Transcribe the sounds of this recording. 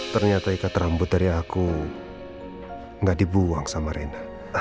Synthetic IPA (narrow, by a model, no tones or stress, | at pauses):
t̪ərɲiat̪aikat̪əɾambʊt̪̚daɾiaku | ŋɡadibuaŋsamaɾena